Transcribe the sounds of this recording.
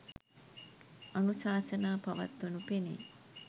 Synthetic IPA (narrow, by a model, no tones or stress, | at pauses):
ənusaːsənaːpɐʋa̰t̪ːonupenḭ